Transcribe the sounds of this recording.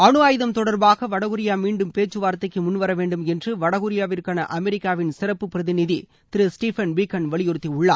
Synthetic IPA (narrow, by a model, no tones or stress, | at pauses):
ɐɳɯʋaːjɪðɐmt̪ɔɽɐɾbaːɣɐʋɐɽɐɣɯɾɪjaːmiːɳɖɯmpeːt͡ʃːɯʋaːɾt̪ːɐɪkːɯmʊnːʋɐɾɐʋeːɳɖɯmɛndrɯʋɐɽɐɣɯɾɪjaːʋɪɾkaːnɐʔɐmɛɾɪkːaːʋɪnsɪɾɐpːɯpːɪɾɐðɪnɪði | t̪ɪɾɯsʈiːfɐnʋɪkːɐnʋɐɭɪjɔɾɯt̪ːiʊɭːa̰ː